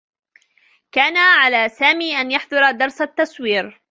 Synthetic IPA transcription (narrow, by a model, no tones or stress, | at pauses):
kaːnaʕalaːsaːmiːʔanjaħd̪ˤʊɾˤɑd̪ɑɾˤsat̪ːɑswiːɾ